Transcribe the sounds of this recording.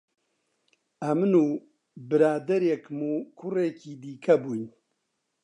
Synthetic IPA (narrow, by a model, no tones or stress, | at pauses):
ɐmɨnuː | bɨɾaːd̪ɐɾekmuːkʰʊreːkiːd̪iːkʰɐbuːjn